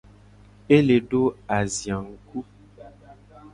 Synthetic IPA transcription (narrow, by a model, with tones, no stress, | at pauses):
e˦le˨ɖo˦a˨zjã˨ŋ̩˦ku˦